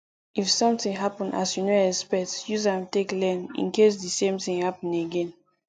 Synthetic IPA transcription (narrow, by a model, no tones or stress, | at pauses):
ʔifsɔ̃mtĩŋɦapə̃na̰sjunoɛspɛk̚tjuzãmteklɛ̃nḭ̃nkes̬disẽmtĩŋhapə̃neɡɛ̃n